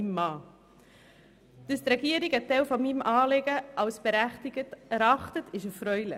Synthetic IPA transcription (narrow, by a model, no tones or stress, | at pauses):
imːɑː | d̥əst̪ɾɛɡiəɾiɡɛtɛlfɔmimʔɑːleɡəʔɑʊsb̥əɾæχtɪɡ̥ətɛɾɑχtətʰɪʃəfɾœʏlə̰